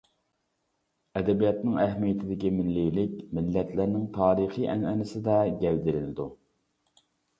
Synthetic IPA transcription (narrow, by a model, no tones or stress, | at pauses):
ɛd̪ɛbijɑt̪nɨŋæhmijɛt̪ʰɪd̪ɪkʲimɪnlijlɪkʲmɪlːɛt̪ʰlæɾnɪŋt̪ʰɑːɾiχiʔɛnɛnɪsɪd̪ɛɡʲɛld̪ɪɾɪnɪd̪u